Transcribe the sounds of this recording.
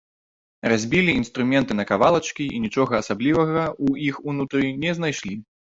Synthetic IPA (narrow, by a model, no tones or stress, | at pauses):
razʲbʲilʲiinst̪ɾumʲɛnt̪ɨnɐkavalˠɐt͡ʂkʲiʔinʲit͡ʂɔɣɐːsablʲivɐɣɐuixunut̪ɾɨnʲɛznajʂlʲi